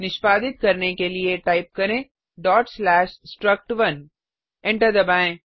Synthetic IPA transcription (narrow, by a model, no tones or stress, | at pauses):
nɪʃpaːd̪ɪt̪̚kɐɾnekelieʈaːɪp̚kɐɾẽː | ɖɔːʈslɛːʃsʈɾɐk̚ʈʋɐn | ɛ̃ɳʈəɾd̪ɐbaːẽː